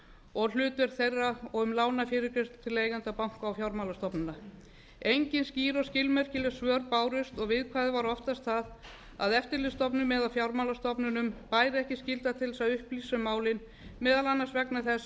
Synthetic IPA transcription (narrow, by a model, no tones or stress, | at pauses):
ɔɣl̥ʏːt̪vɛɾ̥θejrːaɔɣʏmlaːwnafɪːɾɪɾkɾɪst̪t̪ʰːɪlːejɣant̪apawŋ̥kawfjawɾmawlast̪ɔpnʏna | ejɲcɪnsciːɾɔscɪlmɛr̥cɪlɛ̥svœːɾpaːwɾʏst̪ɔɣvɪðkʰvaːðɪvaɾɔft̪ast̪θað | a̰ðɛft̪ɪɾlɪst̪ɔpnʏmɛðawfjawɾmawlast̪ɔpnʏnʏmpaːjɾɪɛhcɪscɪlt̪at̪ʰɪlsaðʏhpliːsʏmaːwlɪn | mɛːðalanːaɾ̥svɛknaθɛs